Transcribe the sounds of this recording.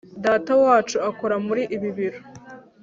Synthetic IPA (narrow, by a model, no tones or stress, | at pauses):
daːtawaːt͡ʃuakoɾamuɾiʔiβiβiɾo